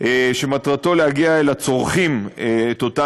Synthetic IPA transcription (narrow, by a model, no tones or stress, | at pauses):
eʃemat̪ʁato̞lehaɡiaelat͡so̞ʁχimeet̪ot̪a